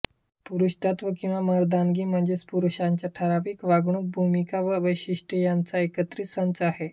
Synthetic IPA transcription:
puɾuɕt̪at̪ʋəkĩw̃ʋamaɾd̪anɡiːm̤əɳd͡zespuɾuɕãɲt͡ɕjaʈʰəɾapiːkʋaɡɳ̃ũːk̚bʱumikaʋəʋəjɕiʂʈəjant͡saekət̪ɾiːt͡ssant͡saɦe

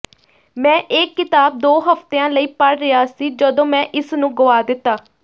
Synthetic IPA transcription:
mɛ̃ːʔɪkːɪt̪aːb̚d̪oːɦəft̪eːãːləiːpəɽɾɪaːsiːd͡ʒəd̪õːmɛ̃ːʔɪsnũːɡʊʋaːd̪ɪt̪ːaː

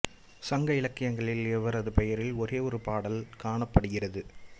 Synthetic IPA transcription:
sɐŋɡɐɪlɐkːɪjɐŋɡɐɭɪlɛʋɐɾɐðɯpɛjɐɾɪlɔɾeːɔɾɯpaːɽɐlkaːɳɐpːɐɽɯɣɪrɐðɯ

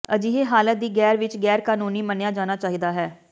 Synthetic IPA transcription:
əd͡ʒiːɦeːɦaːlət̪̚d̪iːɡɛːɾʋɪt͡ʃɡɛːɾkaːnuːniːmənejaːd͡ʒaːnaːt͡ʃaːɦiːd̪aːɦɛː

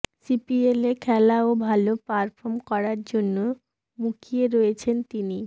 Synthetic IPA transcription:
sipielekʰɛlaobʱalopaɾpʰoɾmkɔɾaɾd͡ʑonːo | mukʰieɾoet͡ɕʰent̪ini

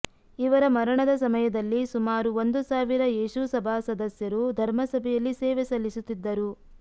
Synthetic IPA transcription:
iʋɐɾɐmɐɾɐɳɐd̪ɐs̬ɐmɐjɐd̪ɐlːisumaːɾuond̪usaːʋiɾɐjeːʃusɐbʱaːsɐd̪ɐsjɐɾud̪ʱɐɾmɐsɐbʱɛjɐlːiseːʋɛsɐlːisut̪ːid̪ːɐɾu

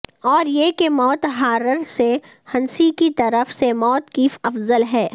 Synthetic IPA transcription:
ɔːɾjekemɔːt̪ɦaːɾəɾse | hɐnsikit̪ɐɾəfsemɔːt̪kiːfɐfzəlɦɛː

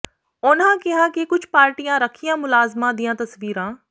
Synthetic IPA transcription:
ʊnãkɪɦakikʊd͡ʒʰpaːɾʈijãɾɐkʰijãmʊlaːzmãd̪ijãt̪ɐsʋiːɾãː

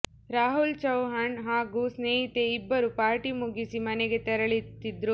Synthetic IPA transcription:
ɾaːɦult͡ʃɐwɦɐɳɦaːɡusneːɦit̪e̞ibːɐɾupaːɾʈimuɡisimɐnɛɡe̞t̪ɛɾɐɭit̪ːid̪ɾu

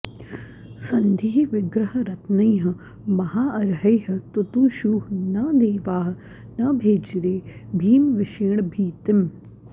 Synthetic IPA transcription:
sɐnd̪ʱiːɦʋɪɡɾɐɦɐɾɐt̪nɐjɦɐ | mɐɦaːʔɐɾɦɐjɦɐt̪ut̪uːʃuːɦnɐd̪eːʋaːɦ | nɐbʱeːd͡ʒɾeːbʱiːmʋɪʃiːɳ̃bʱiːt̪ɪm

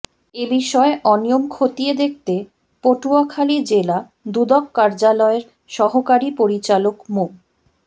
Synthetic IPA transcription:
ebiʃɔeʔɔnijomkʰot̪ied̪ek̚t̪e | poʈuakʰalid͡ʑela | d̪ud̪ɔkːaɾd͡ʑalɔeɾ | ʃɔɦokaɾipoɾit͡ɕalokmo

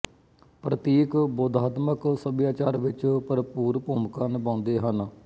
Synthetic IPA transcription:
pɾət̪iːkbɔːd̪aːt̪məksəbjaːt͡ʃaːɾʋɪt͡ʃpəɾpuːɾpoːmkaːnɪbãːʊnd̪eːɦən

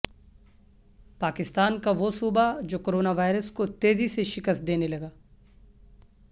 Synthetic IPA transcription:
paːkɪst̪aːnkaʋosuːbad͡ʒoːkoːɾoːnaʋaːɪɾəskot̪eːziseʃɪkəst̪̚d̪eːnelɐɡaː

